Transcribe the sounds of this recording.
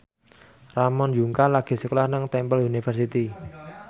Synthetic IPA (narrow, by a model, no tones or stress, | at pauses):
ramɔnd͡ʒuŋkalaɡ̥i̤səkulahnəŋt̪ɛmpəlunifərsit̪i